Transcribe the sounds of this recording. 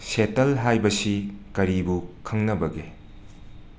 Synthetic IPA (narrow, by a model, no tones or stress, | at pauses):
setɐlɦajbɐsikɐɾibukʰɐŋnɐbɐɡe